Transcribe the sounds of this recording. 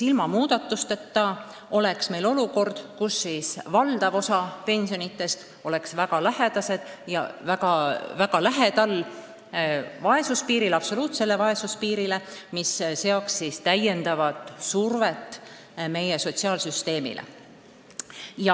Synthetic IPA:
ilmɑmuːd̪̥ɑt̪ːˑust̪et̪ːɑ | o̞le̞ksme̞jlo̞luko̞rd̪̥kusːiːsvɑld̪̥ɑvo̞sɑpe̞nʲsijo̞nit̪ːˑe̞st̪ | o̞le̞ksvæɡ̥ɑlæɦe̞d̪̥ɑse̞d̪̥jɑ̰væɡɑvæɡɑlæɦe̞t̪ɑlː | vɑe̞suspiːɾilɑpso̞luːt̪se̞lːe̞vɑe̞suspiːɾile̞misseoksːiːst̪æje̞nd̪̥ɑvɑd̪̥survet̪ː | me̞jeso̞t̪ʲsiɑːlsyst̪e̞ːmḭlʔḛ | jɑ

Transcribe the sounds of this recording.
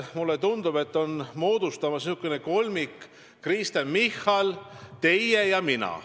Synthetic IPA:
mulːet̪und̪ub̥e̞t̪ːo̞nmo̞ːd̪̥ust̪ɑmɑsnisukːˑeneko̞lmikː | rist̪enmihːɑlt̪e̞jːejɑminɑ̰

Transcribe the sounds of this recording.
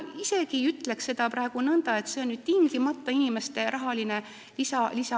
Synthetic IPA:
ise̞ɡ̥iyt̪ːˑle̞kse̞d̪ɑprɑe̞ɡ̥unɤnd̪̥ɑe̞t̪se̞o̞nnyːd̪̥̚t̪iŋɡ̥imɑt̪ːˑɑinime̞st̪e̞ɾʔɑɦɑline̞ | lisɑlisɑ

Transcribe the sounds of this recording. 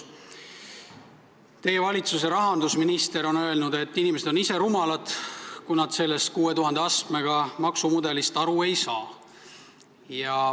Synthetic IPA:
t̪e̞jevɑlʲit̪sus̬e̞ɾɑɦɑnd̪usminist̪e̞ɾo̞nø̞e̞lnud̪e̞t̪ːinimes̬ed̪o̞nise̞ɾumɑlɑd̪̥kunɑd̪se̞lːe̞st̪̚kuːe̞t̪uɦɑnd̪eɑst̪me̞ɡ̥ɑmɑksumud̪e̞list̪ɑɾue̞jsɑː | jɑ

